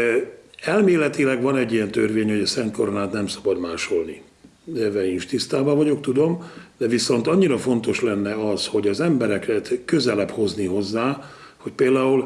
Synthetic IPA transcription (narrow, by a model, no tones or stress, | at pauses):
ɛlmeːlɛt̪ilɛɡʋɒnɛɟːijɛnt̪ørvʋeːɲho̞ɟɒsɛnt̪̚ko̞ɾo̞naːt̪nɛmsɒ̥bɒd̪maːʃo̞lni | d̪ɛvɛinʃt̪ist̪aːbavɒɟo̞k̚t̪ud̪o̞md̪̥ɛviso̞nt̪ɒɲːiɾɒfo̞n̪t̪o̞ʃlɛnːɛɒsho̞ɟɒzɛmbɛɾɛkɛt̪kø̞zɛlɛpho̞zniɦo̞zːaː | ho̞cpeːld̪aːul